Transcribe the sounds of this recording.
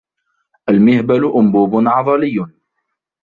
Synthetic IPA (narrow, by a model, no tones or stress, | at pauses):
ʔalmɪhbalʊʔʊmbuːbʊnʕɑðˤɑlɪjːʊ